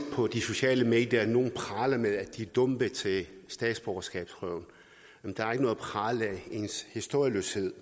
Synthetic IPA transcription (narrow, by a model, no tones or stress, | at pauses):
pʰɒ̽d̥iso̝ɕɛ̰ːləme̝̰ːd̥jɐno̝ːn̩pʰʁɑ̈ːlɐmeðˠæ̥d̥id̥ɔmb̥ət͡sʰe̝lsd̥ɛ̰ːd̥sb̥ɒɐsɡ̥ɛ̰ːb̥sʰʁœʊ̰n | jæmnd̥ɑ̈æɐe̝ɡ̥nɔ̽ð̩pʰʁɑ̈ːləe̝nshisd̥o̝ɐjəlø̰she̝ð̞̰ˠ